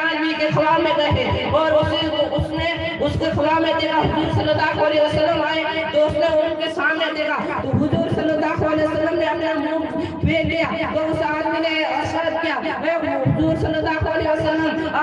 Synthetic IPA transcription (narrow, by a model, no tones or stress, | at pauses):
ãd͡ʒmikesʰəlamẽɾəɦeɔːɾʊs | ʊsne | ʊskekʰɐlamẽd̪ekaɦʊzuɾsənəd̪akaleɦəsəlːəmaːet̪oʊsneʊnkesamned̪eka | t̪oɦʊzuːɾsənəd̪asalesəlːəmneəpnamukʰ | beɾlijat̪oʊsad̪mineəʃəɾt̪̚kija | ʋeɦʊzuɾsənəd̪akaleɦəsəlːəm | a